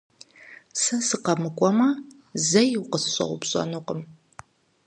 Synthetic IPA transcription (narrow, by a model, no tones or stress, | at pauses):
sɐsɨqɐmɨkʷʼɔmɐ | zɐjɪwqəsɨ̥ɕʷʼɐ̰ʁʷʊ̰pɕʼɐ̰nuqəm